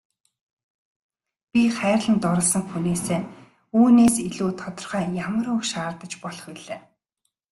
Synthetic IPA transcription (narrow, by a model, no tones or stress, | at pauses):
pʲiχæːrɮə̆nt̪ʊɾɞ̆ɮsə̆ŋxuneːseː | uːneːsiɮuːt̪ʰɔt̪ɞ̆rχœːjamə̆ɾɵkʃaːrt̪ə̆t͡ɕpɔɮɞ̆χiɮeː